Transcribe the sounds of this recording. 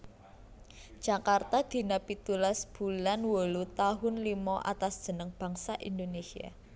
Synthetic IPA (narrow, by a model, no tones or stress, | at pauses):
d̥ʒ̥a̤kart̪ad̪̥i̤napit̪ulasb̥ṳlanwolut̪aɦʊnlimɔʔa̰t̪asd̥ʒ̥ə̤nəŋb̥ä̤ŋsaʔḭnd̪onesia̰